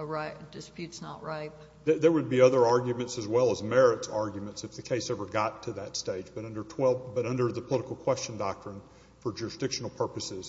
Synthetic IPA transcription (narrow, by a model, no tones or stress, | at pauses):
ɹaɪtd̥ɨspjʉtsnə̰ʔɹaɪt̚ | ðəðə˞wəd̚biʌðə˞ɑɹɡjɨmɨ̃ntsɨzwɛlˠəzmɛɹɨtsɑɹɡjmɨ̃ntsɨfðɨkʰeɪsɛvə˞ɡɑtʰɨðɨtsteɪd͡ʒbʌɾʌ̃ndə˞tʰw̥ɛlˠbʌɾʌ̃ndə˞ðɨpʰəlɪɾəkl̩ˠkʰw̥ɛst͡ʃn̩dɑk̚tɹ̥ɨ̃n | fə˞d͡ʒʊɹɨsd̥ɪkʃn̩l̩ˠpʰɜ˞pɨsɪz̥